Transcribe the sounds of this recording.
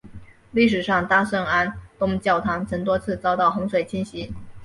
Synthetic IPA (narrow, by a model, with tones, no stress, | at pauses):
li˥˩ʂɻ̩˨˩ʂɑ˥˧˩ŋt̪a˥ʂɤ˥˩ŋa˥nt̪ʊ˥ŋt͡ɕjɑ˥˩ʊt̪ʰɑ˧˥ŋt͡sʰɤ˧˥ŋt̪wɔ˥t͡sʰɹ̩˥˧t͡sɑ˥ʊt̪ɑ˥˩ʊxʊ˧˥ŋswe˨˩ɪt͡ɕʰi˥nɕi˧˥